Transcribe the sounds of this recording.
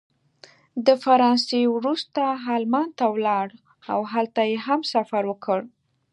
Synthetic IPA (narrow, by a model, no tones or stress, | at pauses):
d̪əfaɾɑnsewɾust̪aɦɑlmant̪awlɑɽ | awɦalt̪ajeɦamsafaɾwəkʰəɽ